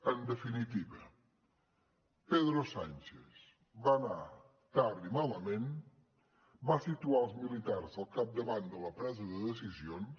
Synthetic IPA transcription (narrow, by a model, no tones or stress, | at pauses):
ənd̪əfinit̪iβə | peðɾosanʲt͡ʃes | βana | t̪aɾðimaləmẽn | basit̪ualˠzmilit̪aɾzəlˠkap̚d̪əβand̪ələpɾɛzəðəðəsizion